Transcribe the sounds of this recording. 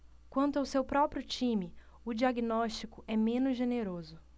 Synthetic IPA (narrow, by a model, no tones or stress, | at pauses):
kwɐ̃nt̪ʊawsewpɾɔpɾiʊt͡ʃĩmɪ | ʊd͡ʒiaɡinɔʃt͡ʃikʊʔɛmẽnʊzʒeneɾozʊ